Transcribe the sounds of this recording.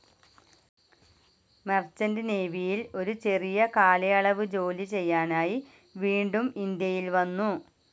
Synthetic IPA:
mɐrt͡ɕɐndene̞ːʋijilo̞ɾut͡ɕe̞rijɐkaːlɐjɐɭɐʋɨd͡ʑo̞ːlit͡ɕe̞jːaːnaːji | ʋiːɳɖumind̪jɐjilʋɐnːu

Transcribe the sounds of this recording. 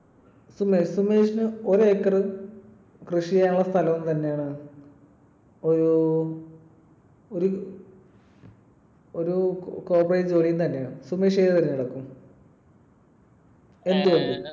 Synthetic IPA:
sumeːʂsumeːʂinɨoɾekːɐrɨ | krɨʂijaːjuɭːɐst̪ʰɐlɐmut̪ɐnːejaːɳɨ | oɾu | oɾu | oɾuko̞ːprejd͡ʑoːɳijunt̪ɐnːe̞jaːɳɨsume̞ːʂ̬eðɐɾinːiɽɐkːum | e̞nd̪uʋoɳd̪u

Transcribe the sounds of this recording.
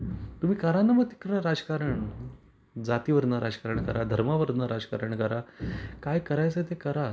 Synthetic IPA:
t̪um̤iːkəɾanːaməɡt̪i̥kɾɾəɾad͡zəkaɾəɳ | d͡zat̪iːʋəɾd̪naɾad͡zkaɾəɳkəɾad̪ʱəɾmaʋəɾd̪naɾad͡zəka̰ɾəɳkəɾakajkəɾajt͡sət̪̬ekəɾa

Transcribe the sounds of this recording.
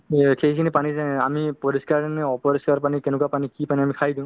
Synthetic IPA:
xeikʰinipanizamipɔɹiskaɹanɛɔpɔɹiskaɹpanikɛnɛk̬uwapanikipaniamikʰajdĩʊ̃

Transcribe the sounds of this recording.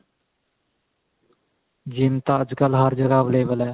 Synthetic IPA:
d͡ʒimt̪aəd͡ʒkəlɦəɾd͡ʒəɡaːbleːbəlɛː

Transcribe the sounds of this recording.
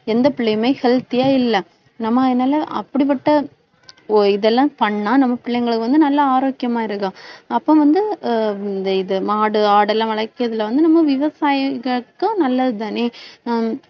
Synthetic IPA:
ɛnd̪ɐpɪɭːɐjmɐɪhɛlt̪ːɪjaːɪlːɐ | nɐmːɐnːaːlɐʔɐpːɐɽip̬ːɐʈːɐ | ɪðɛlːãːpɐɳːãːnɐmːɐpɪɭːɐjŋɡɐɭɯkːɯʋɐnd̪ɯnɐlːɐaːɾoːkjɐmaːɪɾɯkːãːɐpːõːʋɐnd̪ɯnd̪ɐɪðɯmaːɽɯaːɽɛlːãːʋɐɭɐkːɪɐðɪlʋɐnd̪ɯnɐmːɐʋɪʋɐsaːjɐɣɐɭkːɯnɐlːɐðɯt̪aːneː

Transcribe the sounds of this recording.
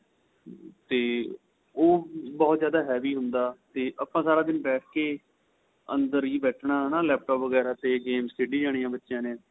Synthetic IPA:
t̪eː | oːbɔːt̪zjaːd̪aːɦɛːʋiːɦʊnd̪aːt̪eːʔaːpãːsaːɾaːd̪ɪnbɛːʈ̚ʰkeː | ə̰nd̪əɾiːbɛːʈʰɳaːnaːlɛːp̚ʈɔːpʋəɡɛːɾaːt̪eːɡeːmsʈeːɖiːd͡ʒaːɽiːãːbətːʃjãːnẽː

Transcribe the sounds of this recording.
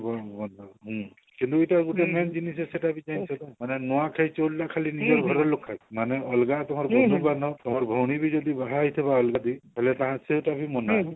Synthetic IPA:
bɔmɔnaɦũ | kint̪uetaɡutɛmɛnd͡ʒinisɛsetabʱid͡ʒaj̃sɔt̪ɔmanɛnɔwakʰajt͡ʃɔllaʔkʰalinid͡ʒɔɾɡʱɔɾɔlokʰːajmanɛɔlɡat̪ɔɦaɾbɔdubanɔt̪ɔɦaɹbʱɔwnibʱid͡ʒɔd̪ibaɦajt̪ʰeβaɔlɡad̪iɦelɛt̪ãɦãsetabʱimɔna

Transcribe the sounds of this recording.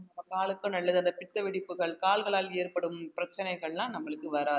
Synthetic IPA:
nɐmːɐkaːɭɯkːɯnɐɭːɐðɯɐnd̪ɐpɪt̪ːɐʋɪɽɪpːɯɣɐɭkaːɭɣɐɭaːleːrpɐɽɯmpɪɾɐt͡ʃːɐnɐɪɣɐɭnãːnɐmːɐɭɯkːɯʋɐɾaː

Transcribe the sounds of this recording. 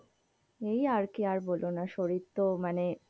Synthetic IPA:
ejaɾkiaɾbolonaʃoɾit̪ːomane

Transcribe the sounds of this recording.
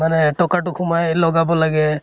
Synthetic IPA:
manɛʈɔkaʈʊkʰumajlɔɡabɔlaɡɛ

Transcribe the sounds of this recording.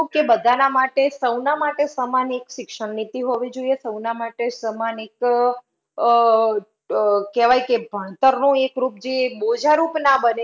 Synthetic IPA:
kebəd̪ʱanamaʈesəwnamaʈesəmanekʃɪkʃəɳnit̪iɦoʋid͡ʒoiesəwnamaʈesəmanek | kɛʋajkebʱəɳt̪əɾnũekɾup̚d͡ʒebod͡ʒaɾupnabəne

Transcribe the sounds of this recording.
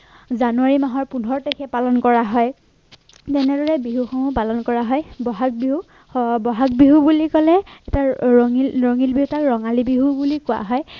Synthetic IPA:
zanuaɹimaɦɔɹpundʱɔɹtekʰɛpalɔnkɔɹaɦɔj | tɛnɛdɔɹɛbiɦuxɔmupalɔnkɔɹaɦɔjbɔɦak̚biɦu | bɔɦak̚biɦubulikɔlɛɛtaiɹɔŋilbiɦutakɹɔŋalibiɦubulikʊa̰ɦɔj

